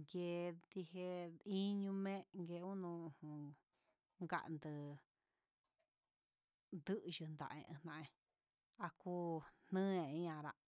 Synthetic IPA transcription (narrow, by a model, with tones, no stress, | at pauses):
ŋɡe˧d̪i˧he˧i˦ɲũ˧mẽ˦ŋɡe˧ũ˦nũ˧˨hũ˧ | ŋɡa̰˧˨ʔnd̪ɨ˧ | nd̪ɨ˦ʔʒɨ˧nd̪a̰˨ʔḛ̃˧ʔẽ˧nã˧ʔẽ˧ | a˧kuː˦nnɨ̃˦ẽ˨ĩ˦ã˧ɾa˧ʔ